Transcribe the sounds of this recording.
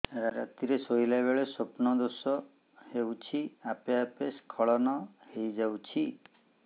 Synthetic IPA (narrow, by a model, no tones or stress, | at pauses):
eɾaɾa̰t̪iɾesojlabeɭesopnɔd̪osɔ | hewt͡ʃʰiapeapeskʰɔɭɔnɔhejd͡ʒawt͡ʃʰi